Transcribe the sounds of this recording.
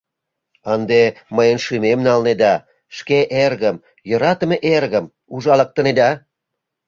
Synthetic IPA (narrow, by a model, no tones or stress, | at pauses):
ənd̪eməjənʃymemnɑlned̪ɑ | ʃkeʔerɣəm | jəɾɑt̪əmeʔerɣəm | uʒɑlɑk̚t̪əned̪ɑ